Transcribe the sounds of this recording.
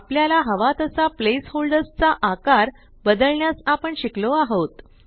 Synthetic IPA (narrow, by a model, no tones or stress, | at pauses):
apljalaɦəʋat̪əsaplesholɖəst͡saʔakaɾ | bəd̪əlɳjasapəɳɕikloaɦot̪